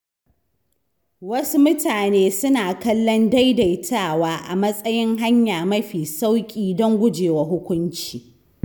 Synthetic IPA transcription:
wɐ˦su˦mʊ˦taː˨neː˦sʊ˦naː˨kɐ˦lːɔ˦nda˦jda˨jtʰaː˦˨waː˦ʔa˨mɐ˦sʼɐ˦jɪ˦ŋɦa˦ɲjaː˨mɐ˦ɸiː˨sa˦wkʲʼiː˦dɔ˦ŋɡʷʊ˦d͡ʒeː˨wa˨ɦʊ˦kʷʊ˦nt͡ʃiː˨

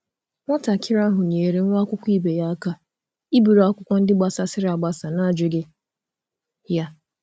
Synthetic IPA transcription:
ŋʷa˦ta˨kʰɪ˦ɾa˦ɦʊ˨ɲe˨ɾe˨ŋ̩˦ŋʷa˦kʷʊ˦kʷi˦be˨ja˦a˦ka˦ | i˦bi˨ɾa˦kʷʊ˦kʷɔ˦n̩˦dɪ˦ɡ͡ba˨sa˦sɪ˦ɾa˨ɡ͡ba˦sa˨na˦˨d͡ʒɪ˦ɡɪ˦ | ja˦

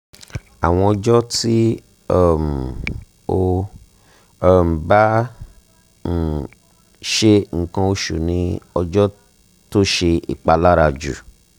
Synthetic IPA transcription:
a˨w̃ɔ̃˧ɔ˧d͡ʒɔ˦ti˦ | ɛ˦m̩˨ | o˦˧˦ | m̩˨ba˦ | n̩˨ | ʃe˦ŋ̩˨kã˧o˧ʃṵ˨nĩ˧˦ɔ˧d͡ʒɔ˦ | to˦ʃe˧ḭ˨k͡pa˧la˦ɾa˧d͡ʒṵ˨

